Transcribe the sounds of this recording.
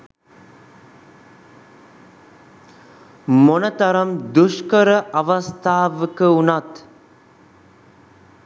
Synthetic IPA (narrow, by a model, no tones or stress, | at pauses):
monət̪ɐɾɐmd̪uʃkəɾəʔɐʋɐst̪ʰaːʋəkəunat̪